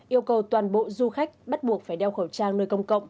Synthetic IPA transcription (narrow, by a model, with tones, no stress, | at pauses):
ʔi˧əwkə˨˩wt̪waː˨˩nɓo̰˧˨zu˧xa˦˥jk̟̚ɓa˦˥t̚ɓu˨˩ək̚faː˧˩jɗɛ˧wxə˧˩wt͡ɕaː˧ŋnəː˧jkə˧wŋ͡mkə̰˧˨wŋ͡m